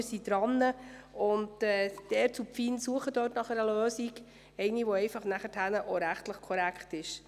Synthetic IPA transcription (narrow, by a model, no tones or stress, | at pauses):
sid̥ɾɑnːəʊntɛːd̥ɛɾt͡supfinsuəχədøːtnɑχɛɾəløːsiɡ | ɛɪniʋoɛɪfɑχnæχəthænəʔoɾæχtləχkʰɔɾækχtɪʃ